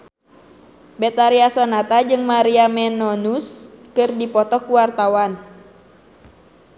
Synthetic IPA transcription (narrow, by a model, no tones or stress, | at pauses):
bɛt̪aɾiasɔnat̪ad͡ʒɨŋmaɾiamɛnɔnuskɨrdipɔt̪ɔkuwart̪awan